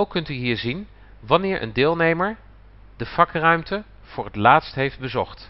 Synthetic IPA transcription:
wkɵntyɦiːɹzin | ʋɑnɪːɹʔə̰ndɪːlˠnejməɹ | dəv̥ɑkrœɥmtə | v̥ʊːɹɦətlaːtstɦejfd̚bəzɔχt

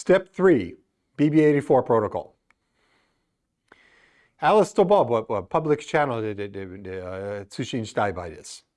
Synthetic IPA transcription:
stɛp̚θɹi | b̥ibieɪɾifɔɹpʰɹ̥oʊɾəkʰɔ̰lˠ | ælˠəstobɑlˠbʌwʌpʰʌblɨk̚t͡ʃʰænl̩ˠ | tʰʉt͡ʃẽɪ̃nd͡ʒdaɪbaɪðɪ̰s

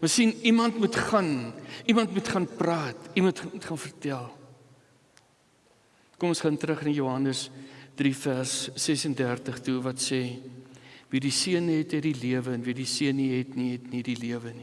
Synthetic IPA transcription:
məsinimɐntmutχɐnimɐntmutχɐnprɑːtimɐntmutχɐnfərtælˠ | komɔsχɐntəɾəχnɐjuɦɐnəsd̥rifærsːɛsəndærtəχtuvɐtseː | vidisiənɦɛtɛdiliəvəənvidisiənːiɦɛtniɦɛtnidiliəvəni

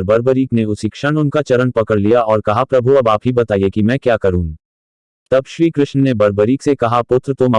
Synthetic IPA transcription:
ɾbɐɾbəɾiːkneʊsikʃəɽ̃ʊnkat͡ʃɐɾənpɐkəɽlijaɔːɾkɐɦapɾɐbʱuɐbaːpɦibɐt̪aːijekimɛ̃kjaːkɐɾũː | t̪ɐbʃɾiːkɾɪʃnənebɐɾbəɾiːksekɐɦapʊt̪ɾət̪ʊmɐ

